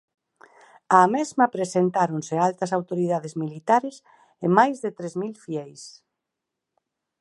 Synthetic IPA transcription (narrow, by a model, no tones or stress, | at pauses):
amezmɐpɾesent̪aɾonsealt̪ɐs̬awt̪oɾiðað̞ezmilit̪aɾes | ɪmajzðet̪ɾezmilfiɛjs